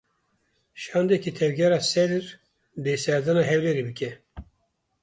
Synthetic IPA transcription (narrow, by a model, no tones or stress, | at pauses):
ʃɑːnd̪ɛkit̪ʰɛvɡɛɾɑːsɛd̪ɨɾ | d̪eːsɛɾd̪ɑːnɑːɦɛwlɛɾibɨkɛ